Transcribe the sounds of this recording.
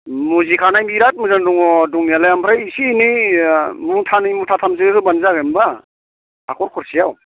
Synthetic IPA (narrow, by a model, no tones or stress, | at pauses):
muzikʰanajmiɾat̚mɯzanduŋɔduŋijalajampʰɾajisiːni | mutʰanijmutʰatʰamz̬iɯsubanzaɡɯmba | akʰɔɾkʰɔɾsijaw